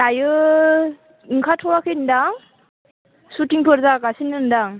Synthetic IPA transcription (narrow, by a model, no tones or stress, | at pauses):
tajɯ | ɯŋkʰatʰɔwakʰɯndaŋ | sutiŋpʰɯɾzakasinɯndaŋ